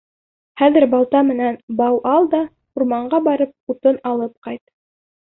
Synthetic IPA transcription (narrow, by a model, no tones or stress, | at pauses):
χæðɘɾbɑlˠt̪ɑmɘ̆nænbɑwʔɑlˠd̪ɑ | uɾmɑɴɢɑbɑɾɤp̚ut̪ɤnɑlˠɤp̚qɑjt̪